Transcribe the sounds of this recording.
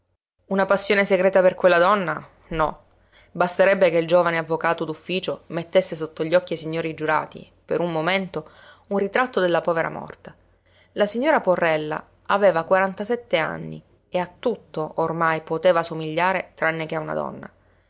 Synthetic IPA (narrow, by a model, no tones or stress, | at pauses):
unapasːjoːneseɡɾɛːt̪aperkwelːad̪ɔnːa | nɔ | bast̪eɾɛbːekeild͡ʒoːvaneavːokaːt̪od̪ufːiːt͡ʃomet̪ːesːesot̪ːoʎːɔkːiasiɲːoːɾid͡ʒuɾa̰ːt̪ḭ | peɾummoment̪o | unrit̪ɾat̪ːod̪elːapɔːveɾa̰mɔ̰rt̪a | lasiɲːoːɾaporːɛlːa̰ | aveːvakwaɾant̪asɛt̪ːea̰nːḭ | eat̪ːut̪ːoʔormajpot̪eːvasomiʎːaːɾet̪ɾanːek̟eauna̰d̪ɔ̰nːa̰